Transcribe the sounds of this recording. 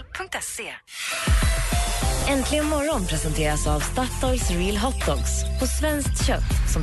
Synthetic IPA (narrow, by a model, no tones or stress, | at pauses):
pʰɵŋkt̪ɛse | ɛnt̪ʰlɪɡənmɔɾːɔnpʰɾɛsɛnt̪ʰeːɾasavst̪at̪ːɔlsɾiːlɦɔt̪̚dɔkspʰɔsvɛnsk̚t̪ɕœt̪ːsɔm